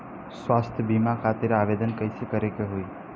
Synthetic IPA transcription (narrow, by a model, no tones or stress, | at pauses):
sʋast̪ʰəbimakʰat̪eɾaʋed̪ənkəjsʰekəɾekeɦoi